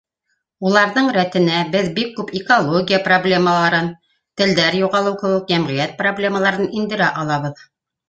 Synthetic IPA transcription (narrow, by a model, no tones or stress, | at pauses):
ulˠɑɾðɤɴɾæt̪ɘ̆næbɘðbikːʉpikolˠoɡʲijaproblʲeməlˠɑɾɤn | t̪ɘ̆ld̪æɾjuʁɑlˠɤwkɘ̆wɘk̚jæmʁɘ̆jæt̪̚problʲe̞məlˠɑɾɤnind̪ɘ̆ɾæʔɑlˠɑβɤð